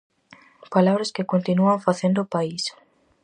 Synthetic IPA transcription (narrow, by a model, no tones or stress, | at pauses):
palaβɾɐskɪkont̪inuaŋfaθẽnd̪ʊːpais